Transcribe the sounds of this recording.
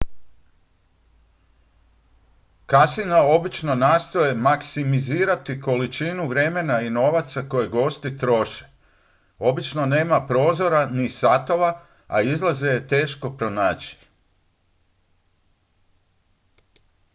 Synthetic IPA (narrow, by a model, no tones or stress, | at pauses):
kasinao̞bit͡ʃno̞nast̪o̞je̞maksimiziːɾat̪iko̞lit͡ʃinuʋɾe̞me̞naino̞ʋat̪sako̞jeɡo̞st̪it̪ɾo̞ʃe̥ | o̞bit͡ʃno̞ne̞ːmapɾo̞ːzo̞ɾanisat̪o̞ʋa | a̰izlˠaze̞jet̪e̞ːʃko̞pɾo̞naːt͡ɕi̥